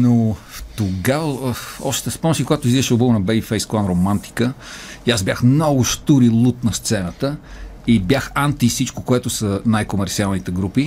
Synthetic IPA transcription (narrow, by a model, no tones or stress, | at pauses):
noft̪oɡavəɔ̰ʃt̪ɛspɔmsikoɡat̪ʊiziɛʃɛʊbəvnɐbɛbifɛjsklˠanɾomant̪i̥kəjazbʲjaxmnɔɡʊʃt̪uɾilˠut̪nɐst̪sɛnət̪ə | ibjaxant̪isit͡ʃkokoɛt̪ʊsɐnajkomɛɾt̪sialˠnit̪ɛɡɾupi